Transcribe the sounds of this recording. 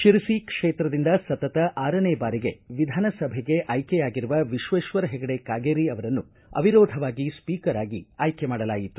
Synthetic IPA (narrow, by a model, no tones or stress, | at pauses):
ʃiɾisikʂeːt̪ɾɐd̪ind̪ɐsɐt̪ɐt̪ɐʔaːɾɐneːbaːɾiɡe̞̰ʋid̪ʱaːnɐsɐbʱeɡe̞ʔɐjkɛjaːɡiɾuʋɐʋiʃʋɐʃʋɐɾɐɦɛɡɐɽekaːɡeːɾiɐʋɐɾɐnːu | ɐ̰ʋiɾoːd̪ʱɐʋaːɡispiːkɐɾaːɡiaːjkemaːɽɐlaːjit̪u̥